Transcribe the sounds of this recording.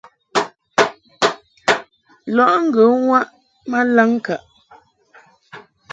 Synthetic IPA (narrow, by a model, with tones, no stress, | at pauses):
lɔ˦˨ʔŋ̩˦ɡə˨˦ŋwa˦ʔ | ma˦la˦ŋ˦ka˨ʔ